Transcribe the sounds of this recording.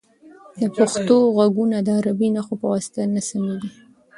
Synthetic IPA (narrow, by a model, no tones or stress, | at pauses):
d̪əpaxt̪oɣaɡunad̪əaɾabinaxopəwasɪ̥t̪anasameɡ̪i